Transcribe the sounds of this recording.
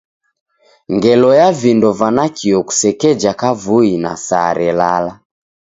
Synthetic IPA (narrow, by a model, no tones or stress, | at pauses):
ŋɡɛlɔjavindɔvanakʰiɔku̥sɛkɛd͡ʒakavuina̰sa̰ɾɛlala